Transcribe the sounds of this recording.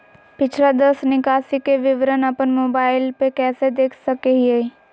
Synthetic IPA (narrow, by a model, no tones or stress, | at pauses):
pɪt͡ʃʰlad̪əsnɪkaːsikeʋɪʋɾənɐpənmoːbaːɪlpekɛːsed̪eːkʰsɐkeɦie